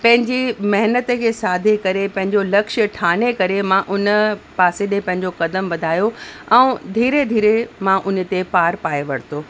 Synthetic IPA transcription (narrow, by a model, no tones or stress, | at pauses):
pɐ̃ɦɪ̃ɲd͡ʑimɐɦɪnət̪əkʰeːsaːd̪ʱekɐɾepɐ̃ɦɪ̃ɲd͡ʑolɐkʃə̆ʈʰaːnekɐɾemãʔʊnəpaːseɗepɐ̃ɦɪ̃ɲd͡ʑokɐd̪əmʋɐd̪ʱaːjoɛ̃ːd̪ʱiːɾed̪ʱiːɾemãʔʊnə̆t̪epaːɾpaːeʋɐɽt̪oː